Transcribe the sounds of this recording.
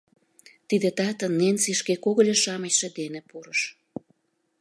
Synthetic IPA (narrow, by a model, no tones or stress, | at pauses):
t̪id̪et̪ɑt̪ə̆nːensiʃkekoɣə̆lʲeʃɑməɕʃed̪enepuɾəʃ